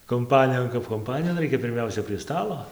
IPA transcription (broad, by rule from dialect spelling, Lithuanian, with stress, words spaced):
kʊmˈpɑːnʲɪjoːn kɐp kʊmˈpɑːnʲɪjoːn ˈrɐɪkʲɛ pʲɪrʲˈmʲɛʊsʲɛ pʲrʲiɛ ˈstɑːlˠoː